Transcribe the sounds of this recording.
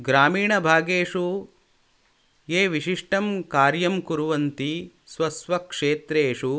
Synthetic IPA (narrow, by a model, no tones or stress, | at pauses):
ɡɾaːmiːɳɐbʱaːɡeːʂu | jeːʋiʃiʂʈɐmkaːɾjɐmkuɾuʋɐnt̪i | sʋɐsʋɐkʂeːt̪ɾeːʂu